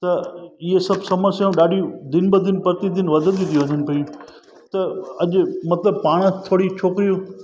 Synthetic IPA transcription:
t̪ɐɪɦesɐbʱsɐməɾsjãɗaːɖʱĩd̪ɪnbəd̪ɪnpɐɾt̪id̪ɪnʋɐd̪ʱə̃nd̪it̪ʰioʋɐ̃ɲd̪ənɪ̆pɐĩ | t̪ɐɐʄʊmɐt̪ləb̚paːɽ̃t̪ʰoːɽit͡ɕʰoːkɪɾijũ

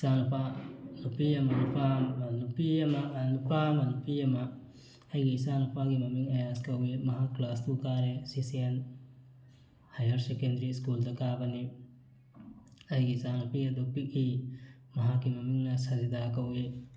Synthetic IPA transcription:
isanupʰanupiɐmɐnupʰamnupiɐmɐnupʰamɐnupiɐmɐ | ɐjɡiisanupʰaɡimɐmiŋɐjaskɐwemɐɦaklast̪ukaɾesisien | hɐjɐɾsekendɾiskuld̪ɐkabɐni | ɐjɡisanupiɐd̪upiki | mɐɦakːimɐmiŋnɐsɐzid̪akɐwe

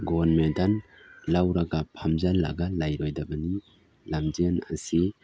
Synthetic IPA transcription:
ɡɔnmedanlawɾaɡapʰamzala̰ɡalajɾɔjdabani | lamzana̰si

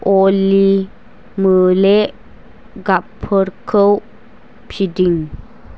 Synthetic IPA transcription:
ʔoli | məle | ɡapʰəɾkʰəw | pʰidiŋ

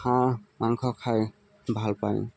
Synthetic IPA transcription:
ãmaŋkʰɔkʰaj | bʱalpa̰j

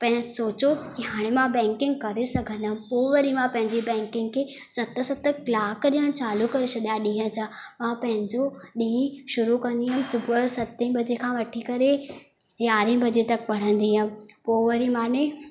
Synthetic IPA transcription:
pɐ̃ɦɪ̃soːt͡ɕokiɦaːɽ̃emãbɛ̃ːŋkɪ̃ŋɡkɐɾesɐɡʱə̃nd̪əɦmpoːʋɐɾimãpɐ̃ɦɪ̃ɲd͡ʑibɛ̃ːŋkɪ̃ŋɡkʰeːsɐt̪sɐt̪̆klaːkɗijəɽ̃t͡ɕaːlukɐɾesʰɐd̪jaɗĩːɦə̃d͡ʑaːmãpɐ̃ɦɪ̃ɲd͡ʑoɗĩːʃʊɾukɐ̃nd̪iɦəmsʊbəsɐt̪ĩbɐd͡ʑekʰãːʋɐʈʰikɐɾe | jaːɾĩːbɐd͡ʑet̪ɐk̚pɐɽ̤ə̃nd̪iɦəmpoːʋɐɾimãne

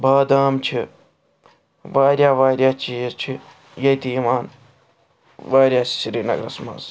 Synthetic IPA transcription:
baːd̪aːmt͡ʃʰi | ʋaːɾʲjaːʋaːɾʲjaːt͡ʃiːzt͡ʃʰi | jɐt̪iimaːn | ʋaːɾʲjaːssiɾinɐ̰ɡɾɐ̰smɐ̰s

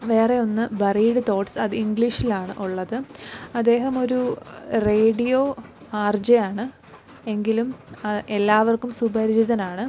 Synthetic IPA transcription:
ʋe̞ːre̞o̞nːɨbɐriːɽɨt̪o̞ːʈsɐðɨiŋɡɭiʂilaːɳɨ̰ʔuɭːɐðɨɐd̪ːe̞ːɦɐmo̞ɾureːɽijo̞ːaːrd͡ʑɐjaːɳɨ | e̞ŋɡilumɐʔelːaːʋɐrkumsubɐɾd͡ʑiðɐnaːɳɨ

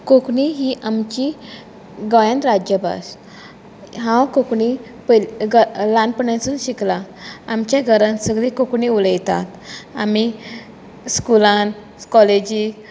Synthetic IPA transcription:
kokɳiɦiʔamt͡ɕi | ɡɔjãnɾad͡ʑjəbʱa̰s | ɦãwkokɳi | pəɡlãnpəɳãt͡sənɕiklaamt͡ɕjaɡʱəɾãnsəɡlikokɳiuləjt̪a̰t̪a̰mi | skulan | kɔled͡ʑi

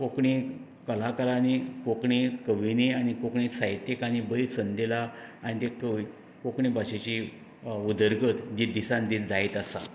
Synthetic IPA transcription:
kokɳi | kəlakəɾanikokɳikəʋinianikokɳisajt̪ekañibəisənd̪elaanit̪ekəʋi | kokɳibaɕet͡ɕi | ud̪əɾɡət̪d̪id̪isãnd̪it͡sd͡zait̪asa̰

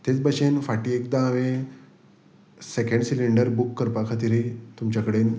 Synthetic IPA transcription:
t̪et͡sbəɕenfaʈiːekd̪ãːʋe | sekeɳɖsiliɳɖəɾbukːəɾpakʰat̪̬iɾit̪umt͡ɕakəɽen

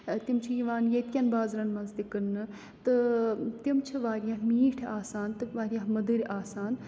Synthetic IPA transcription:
t̪ʲimt͡ʃʰijiʋaːnjet̪̚ʲkʲɐnbaːzɾɐnmɐnzt̪ikɨɾnɨ | t̪ɨt̪imt͡ʃʰiʋaːɾjaɦmiːʈʰaːsaːnt̪ɨʋaːɾjãɦmɐd̪ɨɾʲaːsaːn

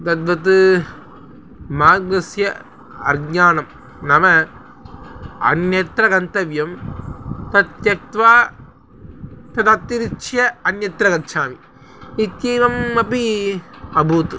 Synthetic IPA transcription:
d̪ɐd̪ʋɐt̪̬ɯ | maːɡnɐsjɐ | ɐɾɡɲaːnɐm | nɐmɐ | ɐ̰njɐt̪ɾɐkɐnt̪ɐʋjɐm | t̪ɐt̪jɐk̚t̪ʋaː | t̪ɐt̪ɐt̪ːiɾit͡ʃːjɐɐnjɐt̪ɾɐkɐt͡ʃʰaːmi | it̪jiːnɐmɐpi | ɐbuːt̪ɯ

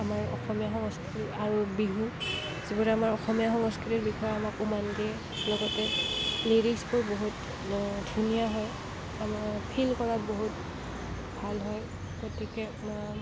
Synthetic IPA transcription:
amaɹɔ̰xɔmijaxɔŋɔskiɾiaɹubiɦu | zibɔɹɛamaɹɔxɔmijaxɔŋɔskiɹiɹbixʰɔjamakumanɡiɛ | lɔɡɔtɛleɹisbʊɹboɦut | dʱunijaɦɔj | ampʰilkɔɹat̚boɦut | bʱalɦɔj | ɡ̥otʰikɛ

